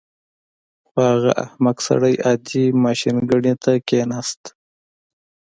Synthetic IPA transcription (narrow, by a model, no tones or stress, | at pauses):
xohaɣa̰ʔa̰hmaksa̰ɽajɑd̪imɑːʃinɡəɽet̪akenast̪